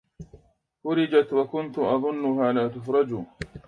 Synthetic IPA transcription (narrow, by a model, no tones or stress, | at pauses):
fʊɾɪd͡ʒat̪wakʊnt̪ʊʔɑðˤʊnːʊhaːlaːt̪̬ʊfɾˤɑd͡ʒuː